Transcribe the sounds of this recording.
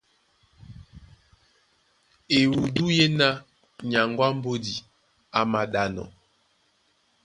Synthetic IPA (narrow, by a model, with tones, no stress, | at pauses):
e˨wu˨du˦je˦na˦ | ɲa˨ŋɡwa˦m˦bo˦di˨ | a˨ma˨ɗa˨nɔ̰˨